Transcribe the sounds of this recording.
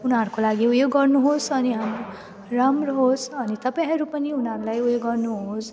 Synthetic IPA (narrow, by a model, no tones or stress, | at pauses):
unɦʌɾukolaɡiujoɡʌrnuɦosʌniɦamɾo | ramrɦosʌnit̪ʌpajɦʌɾupʌniunʌɾulajujoɡʌrnuɦos